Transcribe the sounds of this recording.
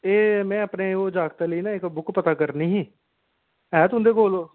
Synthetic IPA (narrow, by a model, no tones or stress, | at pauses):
eːmɛ̃ːəpneːoːd͡ʒaːɡt̪eːləiːnãːɪkbʊkpət̪aːkəɾniːɦĩː | ɛːt̪ʊnd̪eːkoːloː